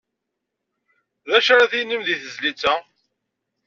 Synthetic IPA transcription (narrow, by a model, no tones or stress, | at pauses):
ðæʃæɾæθinəmðiθəzlit͡sːæ